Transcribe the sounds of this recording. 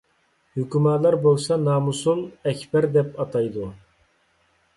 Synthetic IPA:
hykʲymɑːlˠɑɾbolˠsɑnɑːmusulˠɛkʲbɛɾd̪ɛpɑt̪ʰɑjd̪u

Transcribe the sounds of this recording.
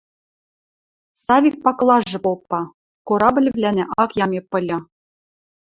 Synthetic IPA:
sɑvʲik̚pɑklˠɑʐːɤ̆popːɑ | koɾɑbɘ̆lʲɘ̆vlʲænʲɘ̆ʔɑkjɑmʲepːɤ̆lʲɤ̆

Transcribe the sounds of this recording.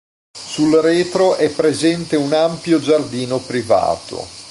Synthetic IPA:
sulreːt̪ɾoʔɛpːɾezɛnt̪eunampjod͡ʒard̪iːnopɾiva̰ːt̪o̰

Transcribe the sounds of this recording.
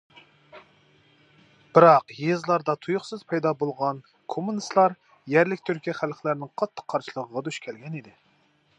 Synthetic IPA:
b̥ɪɾɑqjezlˠɑɾd̪ɑt̪ʰujuχsɨzpʰɑjd̪ɑbolˠʁɑn | kʰomːunɨst̪lˠɑɾ | jɛɾlɪkʲt̪ʰyɾkʲiχælχlæɾnɪŋqʰɑt̪ʰːə̥qʰːɑɾʃilˠəʁəʁɑd̪yʃkʲʰɛlɡʲɛnid̪ɪ

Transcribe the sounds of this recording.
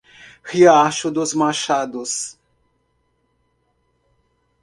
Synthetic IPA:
hiaʃʊd̪ʊzmaʃad̪ʊs

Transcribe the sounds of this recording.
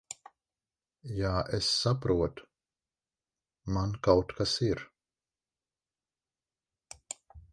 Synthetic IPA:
jaʔesːapɾuɔt̪ | mankawt̪kasiɾ

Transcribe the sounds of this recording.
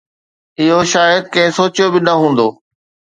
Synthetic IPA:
ɪɦoʃaːjəd̪̚kɐ̃ɦɪ̃soːt͡ɕijobɪnɐɦũːn̆d̪oː

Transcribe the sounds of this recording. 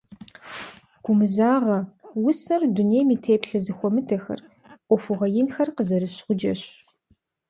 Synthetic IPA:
ɡ̥ʷʊmɨzaːʁɐwʊsɐrduneːjmiːtʰeːpɬɐzɨxʷɔmɨtʰɐxɐ̰r | ʔʷɔfʊʁɐjɪnxɐrqəzɐɾɨɕχʷʊd͡ʒɐ̰ɕ

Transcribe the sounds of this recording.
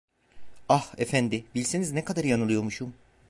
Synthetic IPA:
ahefænd̪ɪbilʲse̞niznɛkʰad̪aɾjanɯlˠɯjo̞ɾmuʃum

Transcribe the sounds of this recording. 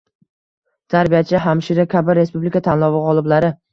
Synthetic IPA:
t̪ʰaɾbijat͡ʃʰɪɦamʃiɾakʲʰabɪɾe̞spublikat̪ʰanlˠɒwɨqɒlˠɪblaɾɪ

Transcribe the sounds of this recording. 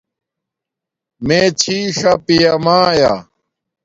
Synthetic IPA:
meːt͡ɕʰiːʂɐpijɐmaːja̰

